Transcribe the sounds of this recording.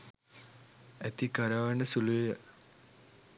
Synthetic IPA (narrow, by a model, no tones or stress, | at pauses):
æt̪ikaɾaʋaɳɖəsuluʋejə